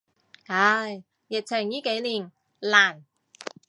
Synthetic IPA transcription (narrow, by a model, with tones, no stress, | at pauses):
ha˧j | jɪ˨k̚t͡sʰɪ˨˩ŋjiː˥ke˨˥jliː˨˩n | laː˨˩n